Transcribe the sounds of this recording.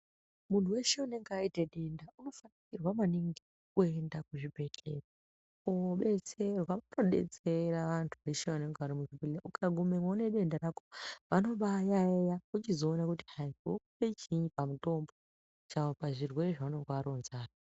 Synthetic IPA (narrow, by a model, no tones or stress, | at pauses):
muntuwe̞ʃeune̞ŋɡaiteɗe̞ndauno̞faniirwamaniŋɡe | kue̞ndakuʐibʱe̞ɬera | uɓe̞t͡se̞rwaʋanoɗe̞̰t͡se̞raʋantʰuʋe̞ʃeʋaneŋɡaɾimuʐibeeukʰaɡʱumemwaune̞ɗe̞ndaɾakoʋano̞ɓajaejakut͡ʃizo̞ːnakuti̥ɦaiokupet͡ʃiɲipamuto̞mbo̞ | t͡ʃawopaʐirwe̞reʐauneŋɡeaɾo̞nzaːra